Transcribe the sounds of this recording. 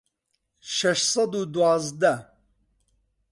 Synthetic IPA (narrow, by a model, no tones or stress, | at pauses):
ʃɛʃsɐd̪ud̪uwɑːzd̪ɐ